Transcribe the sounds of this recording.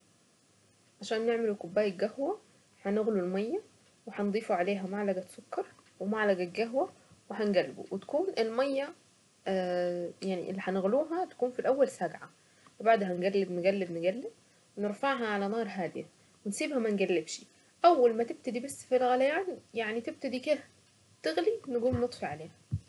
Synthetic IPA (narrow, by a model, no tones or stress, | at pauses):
ʕaʃæːnːeʕmelukobːæːjek̚ɡæhwæ | ħænɪɣlulmɑjːæ | weħɑnd̪ˤiːfuʕaleːɦæmaʕlæɡæsokːɑɾˤwemaʕlæɡæɡæɦwæ | weɦænɡælːbṵwet̪æ̥kuːnʔelmɑjːæ | jaʕnḭʔḛlːiħænɣluːɦæt̪æ̥kuːnfilʔæwːælsæɡʕa | webaʕd̪ɦænɡælːɪbnɡælːeb̪nɪɡælːɪd̪̚ | wnɪɾfaʕɦɑʕalænɑːɾˤɦaːd̪ejæ | wensiːbhæmænɡælːebʃi̥ | ʔæwːælmæt̪ɪb̚t̪æd̪ibæsːfilɣælæjaːnjaʕnit̪eb̚t̪æd̪iked̪æ | t̪ɪɣlinɪɡuːmnet̪ˤfiʕaleːhæ